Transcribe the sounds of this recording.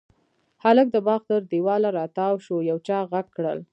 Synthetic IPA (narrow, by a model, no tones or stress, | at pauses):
halək̚d̪əbɑɣd̪əɾd̪iwɑlaɾɑt̪ɑwʃojawt͡ʃɑɣaɡkːɽə̰l